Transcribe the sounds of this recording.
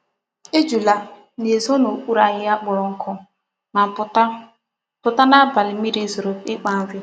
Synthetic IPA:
e˦d͡ʒu˨la˨ | ne˨zɔ˦no˨kʷu˦ɾa˨ɣɪ˦a˦k͡pʊ˨ɾɔ˨ŋ̩˦kʰɔ˦ | ma˨˦ | pʊ˨ta˦na˦ba˨lɪ˨mi˦ɾi˦zo˨ɾo˨pɪ˦k͡pa˦n̩˦vɪ˦

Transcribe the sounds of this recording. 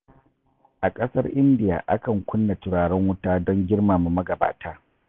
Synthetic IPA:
ʔa˨kʼɐ˦sɐ̰˦rʔɪ˦ndɪ˦ja̰ː˨ʔa˦kɐ˨ŋkʷʊ˦nːa˨tʊ˨ɽaː˨ɽɛ˦ŋwʊ˦taː˦dɔ˦ŋɡʲɪ˦rmaː˨mu˨mɐ˦ɡɐ˨ba̰ː˨taː˦

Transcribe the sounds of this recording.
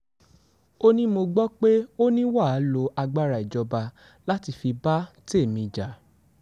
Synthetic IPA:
o˦nĩ˦mo˧ɡ͡bɔ˦k͡pe˦o˦nĩ˦wa˦˨˦lo˧˦ʔa˧ɡ͡ba˦ɾa˨i˨d͡ʒɔ˨˧ba˧ | la˦ti˧fi˧ba˦te˦˨mĩ˧˨d͡ʒa˨˦

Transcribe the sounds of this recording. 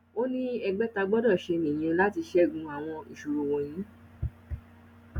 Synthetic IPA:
o˦nĩ˦ɛ˧ɡ͡bɛ˦ta˧ɡ͡bɔ˦dɔ˦˨ʃe˧nĩ˨j̃ĩ˧˦la˦ti˧ʃɛ˦˨ɡũ˨˧a˨w̃ɔ̃˧ḭ˨ʃu˨ɾu˨wõ˨j̃ĩ˨˦

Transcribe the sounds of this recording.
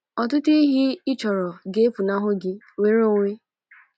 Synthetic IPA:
ɔ˨tʊ˦ti˦ɦi˦ɪ˦t͡ʃɔ˨ɾɔ˨ɡe˦pu˨na˦ɦʊ˦ɡɪ˦ | we˨ɾo˦ŋʷe˦

